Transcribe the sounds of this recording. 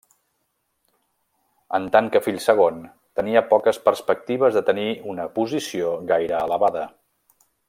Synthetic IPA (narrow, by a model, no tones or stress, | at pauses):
ənt̪aŋkəfiʎsəɣ̞on | t̪əniəpɔkəspəɾspək̚t̪iβ̞əzðət̪əniunəpuzisioɣajɾəːləβaðə